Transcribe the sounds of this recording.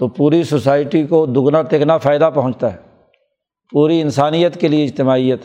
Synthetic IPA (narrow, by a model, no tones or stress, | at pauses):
t̪oːpuːɾisosaːɪʈikod̪ʊɡnat̪eːkʰnafaːɪd̪apɐɦʊ̃nt͡ʃt̪aɦɛː | puːɾiɪnsaːnijət̪kelieɪd͡ʒt̪ɪmaːijət̪